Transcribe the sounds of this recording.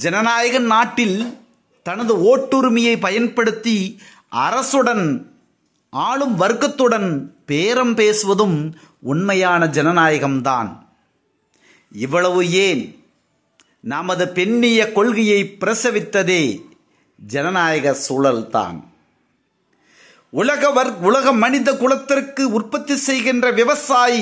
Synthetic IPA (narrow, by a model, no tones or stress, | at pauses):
d͡ʒɛnɐnaːjɐɣɐnnaːʈːɪl | t̪ɐnɐðɯoːʈːuɾmɪjɐɪpɐjɐnpɐɽɯt̪ːi | ʔɐɾɐsɯɽɐn | ʔaːɭɯmʋɐɾɯɣɐt̪ːɯɽɐnpeːɾɐmpeːsɯʋɐðɯm | ʊnmɐjaːnɐd͡ʒɛnɐnaːjɐɣɐmt̪a̰ːn | ɪʋːɐɭɐʋɯeːn | nɐmɐðɯpɛɳːɪjɐkɔɭɣɪjɐɪpɪɾɐsɐʋɪt̪ːɐðeː | d͡ʒɛnɐnaːjɐɣɐsuːlɐlt̪a̰ːn | ʊlɐɣɐʋɐɾʊlɐɣɐmɐnɪðɐkʊlɐt̪ːɪrkːɯʊrpɐt̪ːisɛjɣɪndrɐʋɪʋɐsaːji